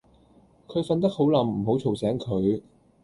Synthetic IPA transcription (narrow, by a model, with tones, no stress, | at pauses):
kʰɵ˨˧ɥfɐ˧nt̪ɐ˥k̚ho˨˥wlɐ˨˧mm̩˨˩ɦo˨˥wt͡ʃʰo˨wsɛː˨˥ŋkʰɵ˨˧ɥ